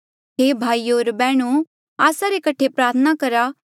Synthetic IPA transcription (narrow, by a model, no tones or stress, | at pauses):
ɦeːbʱaːioːɾbɛːɽ̃u | aːsaɾekɐʈʰepɾaːɾt̪ʰənakɐɾa